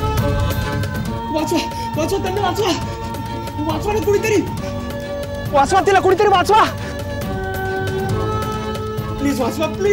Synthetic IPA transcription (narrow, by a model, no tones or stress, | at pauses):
ʋat͡sʋa | ʋat͡sʋat̪ənːeʋãt͡sʋa | ʋat͡sʋanekuɽit̪əɾiː | ʋat͡sʋat̪ilakuɽ̃it̪əɾiʋãt͡sʋa | pliːzʋat͡sʋapli